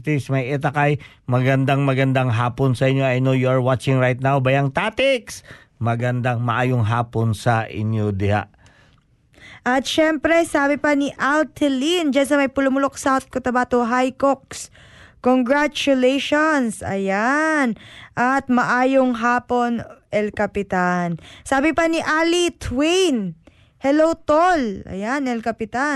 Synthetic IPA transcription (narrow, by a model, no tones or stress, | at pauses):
t̪ismɐjʔɛt̪akɐj | mɐɡɐnd̪aŋmɐɡɐnd̪aŋɦaːponsɐʔɪnjoɐjnojuɐɹwat͡ʃɪŋɹajt̪̚nawbɐjɐŋt̪at̪ɪks | mɐɡɐnd̪aŋmɐʔaːjoŋɦaːponsɐʔɪ̰njod̪ɪha̰ | ʔɐt̪ʃɛmpɾɛsaːbɪpɐniʔalt̪ʰɛlind͡ʒans̬ɐmɐjpʊlʊmʊlok̚sawt̪̚kot̪ɐbaːt̪oɦajkok̚s | koŋɡɹat͡ʃʊlɛjʃonsɐ̰janʔɐt̪̚mɐʔaːjoŋɦaːpo̞nʔɛlkɐpɪt̪ansaːbɪpɐniʔaːlit̪ʰwin | hɛlowt̪olʔɐ̰janɛlkɐpɪt̪a